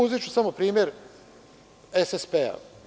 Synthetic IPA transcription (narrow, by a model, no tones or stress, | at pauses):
uzit͡ʃusamopɾiːmʲje̞ɾ | esespea̰